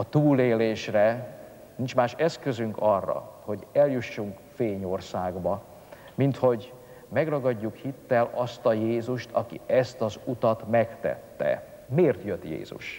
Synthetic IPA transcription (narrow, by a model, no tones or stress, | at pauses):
ɒt̪uːleːleːʃrɛ | nint͡ʃmaːʃɛskøzyŋkɒrːɒ̰ho̞ɟɛljuʃːuŋkfeːɲo̞rsaːɡbɒ | mint̪ho̞ɟ | mɛɡrɒɡɒɟːukhit̪ːɛlɒst̪ɒjeːzuʃt̪ʰɒ̰kḭɛst̪ɒzut̪ɒt̪mɛkt̪ɛ̰t̪ːɛ̰ | meːrt̪jøt̪jḛːzṵʃ